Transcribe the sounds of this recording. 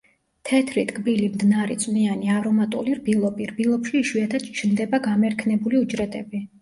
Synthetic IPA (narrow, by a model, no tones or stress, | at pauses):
t̪ʰɛt̪ʰɾit̪ʼkʼbilimd̪naɾɛ̰t̪sʼnianiavɾɔmat̪ʼṵliɾbilˠɔpiɾbilˠɔpʰʃiːʃwiat̪ʰad̪̚t͡ʃʰnd̪ɛbaɡamɛɾkʰnɛbuliud͡ʒɾɛt̪ʼɛbi